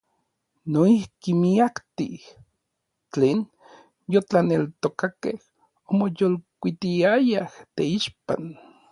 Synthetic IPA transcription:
noihkimiakt̪ḭh | t͡ɬeːn | jot͡ɬanelt̪okakḛh | omojolkʷit̪iajaht̪eiʃpa̰n

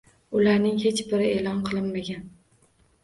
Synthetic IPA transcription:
ʊlaɾnɪŋhet͡ʃbɪɾɪelˠɒnqʰɨlˠɪnmaɡʲan

